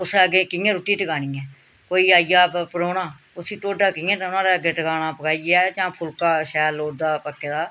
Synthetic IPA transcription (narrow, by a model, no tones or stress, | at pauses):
ʊsɛɡeːkɪːẽːɾʊʈːiːʈəkaːnĩːɛ̃ː | koːiːaːijaːpəɾoːnãː | ʊsiːʈoːɖaːkɪ̃ːẽːt̪ãnãːd̪eːəɡeːʈəkaːnãːpəkaːiːɛːt͡ʃãːpʰʊlkaːʃɛːloːd̪aːpəkːeːd̪aː